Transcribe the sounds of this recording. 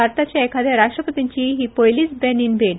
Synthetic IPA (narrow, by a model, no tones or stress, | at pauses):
aɾt̪at͡ɕjaekʰad̪ʱjaɾaʂʈɾəpət̪iɲt͡ɕiɦipojlisbɛninben